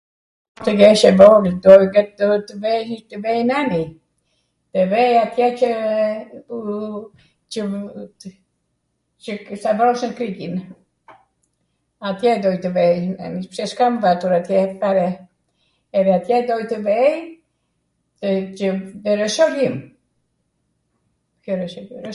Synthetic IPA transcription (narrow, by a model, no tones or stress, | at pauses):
t̪əɡɛʃɛvɔɡld̪ɔjɡɛd̪ɔt̪əvɛjt̪əvɛjnani | t̪əvɛjat̪jɛt͡ʃə | t͡ʃə | t͡ʃəsavɾɔʃnkɾiɡin | at̪jɛd̪ɔjt̪əvɛjna̰nipsɛʃkamvat̪uɾat̪jɛfaɾɛ | ɛðɛat̪jɛd̪ɔjt̪əvɛj | t̪ət͡ʃəðəɾɛʃɔɾim | kjɔɾɛʃɔɾ